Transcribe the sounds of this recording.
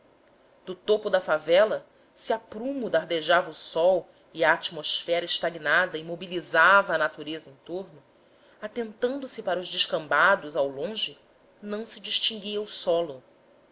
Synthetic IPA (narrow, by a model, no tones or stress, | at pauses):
d̪ʊt̪opʊd̪ɐfavɛlɐ | sɪapɾũmʊd̪aɾd̪eʒavɐusɔw | iɐːt͡ʃimosfɛɾɐɪʃt̪aɡinad̪ɐimobilizavɐːnat̪uɾezɐẽt̪oɾnʊ | at̪ẽnt̪ɐ̃nd̪ʊsɪpaɾɐʊʒd͡ʒɪʃkɐ̃mbad̪ʊzawlõʒɪ | nɐ̃w̃sɪd͡ʒiʃt͡ʃĩŋɡiɐʊsɔlʊ